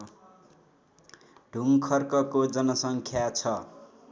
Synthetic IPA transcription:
ɖʱuŋkʰʌrkʌkod͡zʌnʌsʌŋkʰjat͡sʰʌ

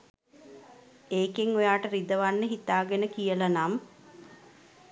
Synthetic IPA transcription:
eːkeŋojaːʈəɾid̪əʋanːəɦit̪aːɡenəkijəlanam

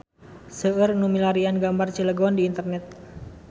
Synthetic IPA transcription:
səərnumilaɾianɡambart͡ʃələɡɔndiːnt̪ərnɛt̪̚

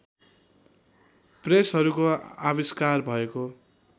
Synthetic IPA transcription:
presɦʌɾukoaβiskarbʱʌeko

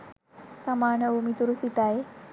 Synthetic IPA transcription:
samanəumit̪uɾusit̪ae

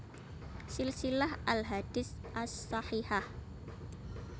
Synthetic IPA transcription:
sɪlsilahalɦad̪̥isʔasːɑħiħah

